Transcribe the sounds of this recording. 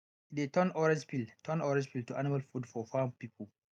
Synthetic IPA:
itetɔnɔɹɛd͡ʒpiltʰɔ̃nɔɾɛd͡ʒpiltuʔa̰nimalfudfɔfampipʰɔl

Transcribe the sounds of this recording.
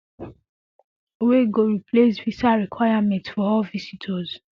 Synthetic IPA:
weɡoɹipʰlesvisaɹikʰwajamɛ̃ntfɔɔvisitʰɔz

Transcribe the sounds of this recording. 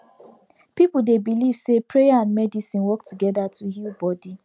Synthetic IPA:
pipudebiliv̥sepʰɹejaãnmɛdisĩnwɔk̚tuɡɛdatʰuhilbɔdi

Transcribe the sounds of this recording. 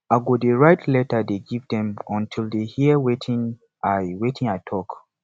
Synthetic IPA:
aɪɡodeɹaɪtʰlɛtədeɡivdɛ̃mɔ̃ntʰildehiəwetʰĩŋ | aɪwetʰĩŋaɪtʰɔk

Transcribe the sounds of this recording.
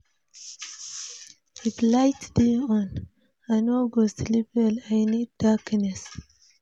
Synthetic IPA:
iflajtdiɔ̃n | ajnoɡoslipɛlajniddaknɛs

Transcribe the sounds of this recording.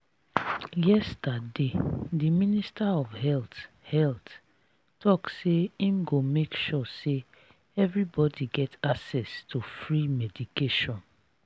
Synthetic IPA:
jɛstadediministaɔvhɛlt | hɛlt | tɔkseĩmɡomekʃɔse | ɛvɹibɔdiɡɛtaksɛstʰufɹimɛdikeʃɔ̃n

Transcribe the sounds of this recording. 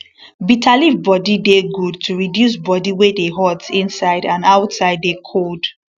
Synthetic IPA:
bitʰalibɔdideɡud̚tʰuɹidjus̬bɔdiwedeɦɔtsĩnsaɪdãnaʊtsaɪd̚ːekʰod̥

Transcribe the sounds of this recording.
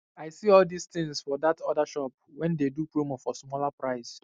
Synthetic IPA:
aɪsiɔldist̪ɪ̃ŋsfɔdatʰɔdaʃɔp̚wɛ̃ndedupɹomɔfɔsmɔlapɹaɪs

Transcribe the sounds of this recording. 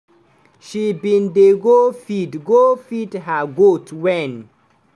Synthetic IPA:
ʃibĩndeɡofidɡofidɦaɡotwɛ̃n

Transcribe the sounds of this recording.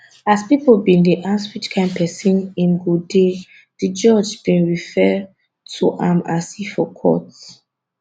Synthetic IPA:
aspipolbĩndeʔaswit͡ʃkʰãɪ̃npʰɛsĩnĩnɡude | did͡ʒɔd͡ʒb̥ĩnɹifɛ | tʰuʔãmasifɔkʰɔ̰t

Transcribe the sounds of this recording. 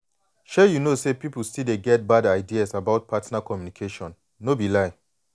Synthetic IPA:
ʃɛjunosepipulstideɡɛt̚badaɪdiasabaʊt̚pʰatnakʰɔmjunikʰeʃɔ̃nː | obilaɪ

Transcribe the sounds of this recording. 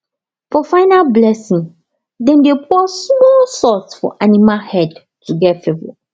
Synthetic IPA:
fɔfaɪnalblɛsĩŋ | dɛ̃ndepɔsmɔlsɔsfɔ̰ʔanimahɛd | tʰuɡɛtfevo̰

